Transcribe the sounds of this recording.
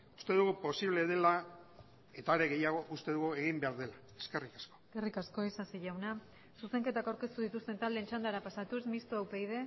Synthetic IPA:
u̥st̪e̞ðuɣupo̞siβle̞ðe̞la | e̞t̪aɾe̞ɣe̞jaɣo̞ʔust̪e̞ðuɣue̞ɣimbe̞aɾðe̞la | e̥ske̞rikḁsko̞skerikasko̞isasiʝawna | suse̞ŋke̞t̪akawɾke̞st̪uðit̪ust̪e̞nt̪ald̪ent͡ʃand̪aɾapasat̪uzmist̪oawpejðe̞

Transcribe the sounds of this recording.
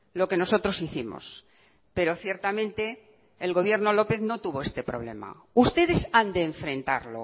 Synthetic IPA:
lo̞ke̞no̞so̞t̪ɾo̞siθimo̰s | pe̞ɾo̞θje̞ɾt̪amẽnt̪e̞ː | lɣo̞β̞je̞ɾno̞lo̞peθno̞t̪uβo̞e̞st̪e̞pɾo̞̰β̞le̞̰ma̰ | ust̪e̞ðe̞sand̪eːɱfɾẽ̞nt̪a̰ɾlo̞̰

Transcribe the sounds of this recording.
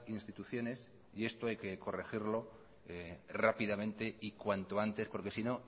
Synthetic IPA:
inst̪it̪uθjo̞ne̞s | ie̞st̪oajke̞ko̞rexiɾlo̞ | rapiðamẽ̞nt̪e̞ikwant̪oant̪e̞spo̞ɾke̞sino̞

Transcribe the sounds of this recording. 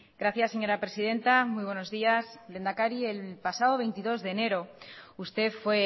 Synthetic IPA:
ɡɾaθjasːeɲo̞ɾapɾe̞sið̞e̞nt̪amujβ̞we̞nozðiasle̞nd̪akaɾielpasað̞oβejnt̪iðo̞zðe̞ne̞ɾo̞ust̪efwe

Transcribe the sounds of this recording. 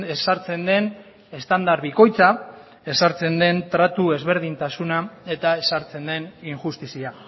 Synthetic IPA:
e̞saɾt͡se̞nd̪e̞n | e̞st̪and̪aɾβiko̞jt͡sa | e̞saɾt͡se̞nd̪e̞nt̪ɾat̪ue̞zβe̞ɾðint̪asunae̞t̪ae̞saɾt͡se̞nd̪e̞niŋxust̪isia

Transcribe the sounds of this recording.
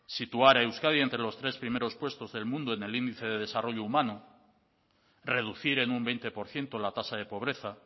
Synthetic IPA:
sit̪uaɾaewskaðjent̪ɾe̞lo̞st̪ɾe̞spɾime̞ɾo̞spwe̞st̪o̞zðe̞lmũnd̪oene̞lind̪iθe̞ðeð̞e̞saro̞ʎoumãnu | re̞ðuθiɾe̞numbe̞jnt̪e̞po̞ɾθje̞nt̪o̞lat̪asað̞e̞po̞β̞ɾe̞θa

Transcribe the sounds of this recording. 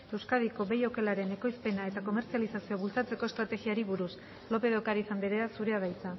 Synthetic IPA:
e̞wskað̞iko̞βe̞jo̞ke̞laɾe̞ne̞ko̞jspe̞nae̞t̪ako̞me̞ɾt͡sialisasio̞βult͡sat͡se̞ko̞est̪ɾat̪e̞ɣiaɾiβuɾus | lo̞pe̞ð̞o̞kaɾisambeɾeasuɾe̞aβ̞ajt͡sa

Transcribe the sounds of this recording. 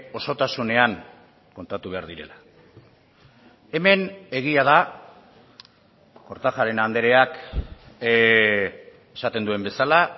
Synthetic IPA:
o̞so̞t̪asune̞aŋ | ko̞nt̪at̪uβ̞e̞aɾðiɾe̞̰la | e̞me̞ne̞ɣ̞iað̞a | ko̞ɾt̪axaɾe̞nand̪e̞ɾe̞ak | esat̪e̞nd̪ue̞mbe̞sala

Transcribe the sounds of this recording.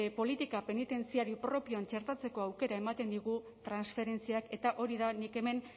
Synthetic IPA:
epo̞lit̪ikape̞nit̪e̞nt͡siaɾipɾo̞pioant͡ʃe̞ɾt̪at͡se̞ko̞awke̞ɾae̞mat̪e̞nd̪iɣ̞u | t̪ɾansfe̞ɾe̞nt͡siake̞t̪aʔo̞ɾiðanike̞me̞n

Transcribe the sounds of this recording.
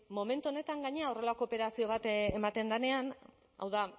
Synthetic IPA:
mo̞me̞nt̪uo̞ne̞t̪aŋɡaɲeaore̞lako̞ːpe̞ɾasio̞β̞at̪emat̪e̞nd̪ane̞an | a̰wða

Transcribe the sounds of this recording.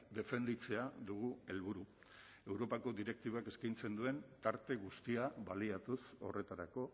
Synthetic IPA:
d̪e̞fe̞nd̪it͡se̞aðuɣue̞lβuɾu | e̞wɾo̞pako̞ðiɾe̞k̚t̪iβoake̞skint͡se̞nd̪ue̞nt̪aɾt̪e̞ɣ̞ust̪iaβaliat̪uso̞re̞t̪aɾako̞

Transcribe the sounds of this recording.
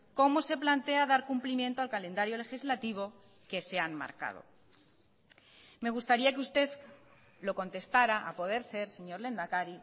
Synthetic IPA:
ko̞mo̞se̞plant̪e̞aðaɾkumplimje̞nt̪oalkalẽ̞nd̪aɾjo̞le̞xizlat̪iβ̞o̞ | ke̞seanma̰ɾka̰ð̞o̞̰ | me̞ɣ̞ust̪aɾiakeust̪e̞ð | lo̞ko̞nt̪e̞st̪aɾaʔapo̞ð̞e̞ɾse̞ɾse̞ɲo̞ɾle̞nd̪akaɾi

